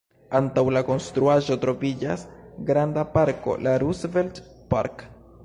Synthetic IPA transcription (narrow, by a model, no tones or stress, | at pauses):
antawlako̞nstɾuaʒo̞tɾo̞vid͡ʒasɡɾandapaɾko̞̰laɾusveltpa̰ɾk